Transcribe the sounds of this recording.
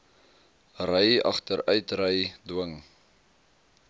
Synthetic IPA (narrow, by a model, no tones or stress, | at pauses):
rəjɐ̰χtəɾœɥtrəjduəŋ